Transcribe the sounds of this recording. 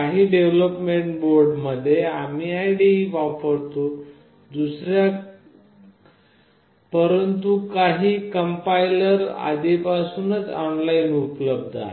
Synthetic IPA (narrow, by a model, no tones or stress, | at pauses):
kaɦiːɖeʋləpmeɳʈboɾɖməd̪ʱːjeamiːajɖiiʋapəɽt̪o | d̪usɾja | pəɾənt̪ukaɦiːkəmpailəɾa̰d̪ipasuːnət͡sɔɳlainupləb̚d̪ʱa̰ɦe